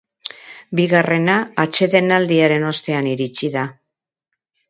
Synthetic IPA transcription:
biɣare̞naːt͡ʃe̞ðe̞nald̪iaɾe̞no̞st̪e̞aniɾit͡ʃiða

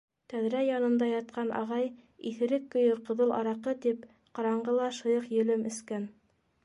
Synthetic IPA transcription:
t̪æðɾæjɑnɤ̆nd̪ɑjɑt̪̚qɑnʔɑ̰ʁɑjiθɘ̆ɾɘkːɵ̆jɤɾqɤ̆ðɤlˠɑ̰ɾɑqɤt̪ip | qɑɾɑɴɢɤlˠɑʃɤ̆jɤqjɵ̆lɘmɵ̆skæn

